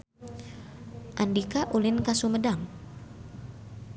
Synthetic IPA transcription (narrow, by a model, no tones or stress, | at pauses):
ʔandikaʔulɪnkasumədaŋ